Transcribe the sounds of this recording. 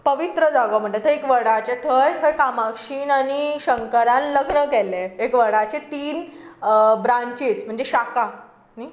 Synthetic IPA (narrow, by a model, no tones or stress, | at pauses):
pəʋit̪ɾəd͡zaɡəm̤əɳʈlet̪ʰəekʋəɽat͡ɕet̪ʰəjkʰəjkamakɕiːnaniɕəŋkəɾãnləɡnəkɛleekʋəɽat͡ɕet̪iːn | bɾãɲt͡ɕesm̤əɳd͡zeɕaka | ni